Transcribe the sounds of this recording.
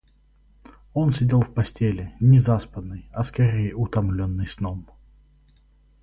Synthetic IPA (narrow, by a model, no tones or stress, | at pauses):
o̞nsʲɪdʲelˠfpɐsʲtʲelʲɪnʲɪzaspənːɨjɐskɐɾʲejəʊt̪ɐmlʲonːɨjsnom